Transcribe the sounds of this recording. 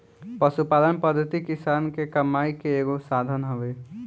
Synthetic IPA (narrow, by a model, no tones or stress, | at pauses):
pəsupaːlənpəd̪ʱːət̪ikɪsaːnkekəmːaːikeeːɡosaːd̪ʱənɦəʋeː